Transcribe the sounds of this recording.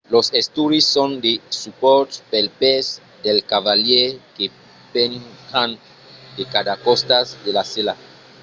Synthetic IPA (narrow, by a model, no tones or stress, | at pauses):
losest̪uɾisːond̪esupoɾt̪pelpez | d̪elkaβaljeke | pensan | d̪ekad̪akost̪azd̪elasela